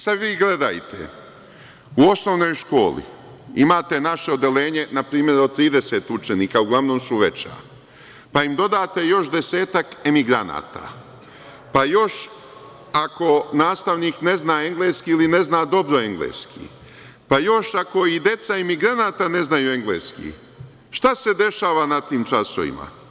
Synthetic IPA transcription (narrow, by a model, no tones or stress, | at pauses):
sad̪ʋiːɡle̞d̪a̰jt̪ʰe̞̰ | uo̞sno̞ʋno̞jʃko̞ːlḭ | ḭmaːt̪e̞naʃe̞od̪e̞le̞ːɲe̞napɾiːmje̞ɾot̪ːɾiːd̪e̞se̞t̪ut͡ʃeniːkauɡlˠaʋno̞ːmsuʋet͡ɕa̰ː | paimd̪o̞d̪aːt̪e̞jo̞ʃd̪e̞se̞ːt̪ake̞miɡɾana̰ːt̪a̰ | pajo̞ʃ | ako̞naːst̪aʋniːkne̞znaːe̞ŋɡleːskiiline̞znaːd̪o̞bɾo̞e̞ŋɡlḛːskʰḭ | pajo̞ʃako̞id̪e̞t̪saemiɡɾanaːt̪ane̞znajuːe̞ŋɡlḛːskḭ | ʃt̪ase̞d̪e̞ʃaːʋanat̪iːmt͡ʃaso̰ʋḭma̰